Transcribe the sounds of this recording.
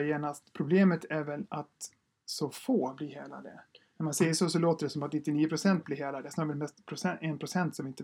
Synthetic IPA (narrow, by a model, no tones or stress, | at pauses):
jeːnast̪pʰɾʊbleːmət̪ʰæɾvɛlat̪ | sɔfoːbliːɦeːla̰d̪ə̰næɾmansejəʂɔs̬ɔloːt̪əɖɛsɔmat̪nɪt̪ːɪniːəpʰɾʊsɛnt̪̚bliɦeːlad̪əsnɑːɾvɛlmɛst̪pʰɾʊsɛɛnpʰɾʊsɛnt̪sɔmɪnt̪ə